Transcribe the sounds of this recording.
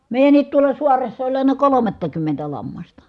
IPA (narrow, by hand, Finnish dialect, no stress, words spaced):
meˑi̯jænːiːt tuolɑ suɑresːɑ olʲ ɑˑenɑ kolomɑtːɑkymːentæ lɑmːɑstɑ